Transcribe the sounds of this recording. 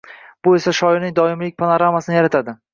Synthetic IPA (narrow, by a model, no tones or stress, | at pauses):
b̥ʊe̞saʃɒɪɾnɪŋd̪ɒɪmlɪk̚ʲpʰanoɾamasɪnɪjaɾat̪ʰad̪ɪ